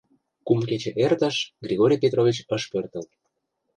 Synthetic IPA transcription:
kumket͡ɕeʔert̪ə̆ʃɡrʲiɣoɾʲijpʲet̪rovʲit͡ɕəʃpørt̪ə̆l

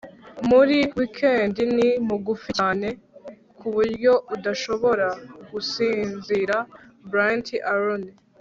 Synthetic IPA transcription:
muɾiwikʰe̞ːndinimuɡufiaːne̞ | kʰuβuɾɟo̞ʔudaʃo̞βo̞ɾaɡ̥usiːnziɾabɾantʰiʔaɾoni

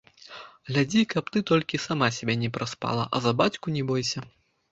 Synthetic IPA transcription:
ɣlʲad͡zʲikɐp̚t̪ɨt̪ɔlʲkʲisamasʲabʲɛnʲɛpɾaspa̰lˠɐ̰ʔɐ̰zɐbat͡sʲkunʲɛbɔjsʲɐ

